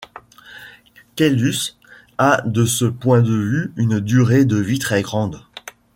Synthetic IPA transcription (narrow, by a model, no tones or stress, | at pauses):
kɛlys | ad̪əsəpwɛ̃d̪əvyynd̪yʁed̪əvit̪χɛɡʁɑ̃d̪